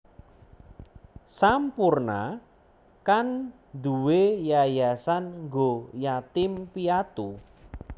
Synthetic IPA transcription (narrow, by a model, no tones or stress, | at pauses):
sampurna̰ | kan | d̪uwejajasanŋɡojat̪ɪmpiat̪u